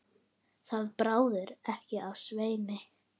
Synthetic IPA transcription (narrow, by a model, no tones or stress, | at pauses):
θaðpɾaːwðɪɾɛhcɪavsveːjnɪ